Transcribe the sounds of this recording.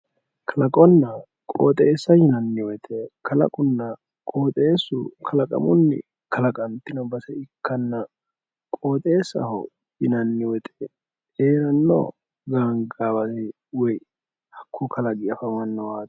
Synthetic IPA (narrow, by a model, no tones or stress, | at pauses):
kʰɐlɐkʼɔnːɐ | kʼo̰ːt̪ʼeːsːɐjɪnɐnːɪwɔt̪ʼekʰɐlɐ̰kʼʊnːɐ | kʼoːt̪ʼe̞ːsːʊkʰɐlɐkʼɐ̰mʊ̰nːɪ̰ | kʰɐlɐkʼɐnt̪ːɪnɐbɐsɛɪkːɐnːɐ | kʼoːt̪ʼe̞ːsːɐ̰hɔ̰ | jɪnɐnːɪwɔt̪ʼeː | eːɾɐnːo̰ː | ɡaːŋɡaːbɐtɪ | wɔj | hɐkʰːʊkʰɐlɐɡɪɐfɐmɐnːɔwaːt̪